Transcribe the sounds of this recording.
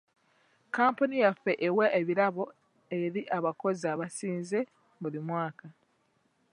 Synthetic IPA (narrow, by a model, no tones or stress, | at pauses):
kaːmpunijafːe̞ʔeweʔeβiɾaβo̞ | e̞ɾiʔaβako̞zaβasiːnze̞ | βulimwaːka